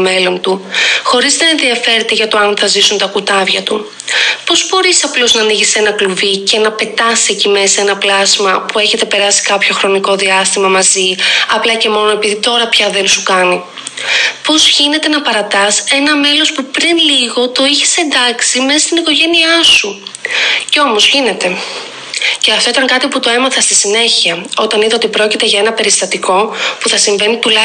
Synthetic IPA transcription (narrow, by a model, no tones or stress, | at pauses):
me̞lo̞nt̪uxo̞ɾiznɐenðiɐfe̞ɾet̪e̞ʝɐt̪o̞ɐnθɐzisunt̪ɐkut̪ɐvʝɐt̪u | po̞zbo̞ɾisɐplo̞znɐniʝise̞nɐkluvice̞nɐpe̞t̪ɐsecime̞sɐe̞nɐplɐsmɐpue̞çe̞t̪e̞pe̞ɾɐsi̥kɐpço̞xɾo̞niko̞ðiɐst̪imɐmɐziɐplɐce̞mo̞no̞e̞piðit̪o̞ɾɐpçɐðe̞nsukɐni | po̞zʝine̞t̪e̞nɐpɐɾɐt̪ɐse̞nɐme̞lo̞spupɾinliɣo̞t̪o̞içi̥se̞nd̪ɐksime̞sɐst̪iniko̞ʝe̞niɐsu | ceo̞mo̞zʝine̞t̪e̞ | ce̞ɐft̪o̞it̪ɐŋkɐt̪iput̪o̞e̞mɐθɐst̪isine̞çiɐo̞t̪ɐniðɐot̪ipɾo̞cit̪e̞ʝɐe̞nɐpe̞ɾist̪ɐt̪iko̞puθɐsiɱve̞nit̪ulɐ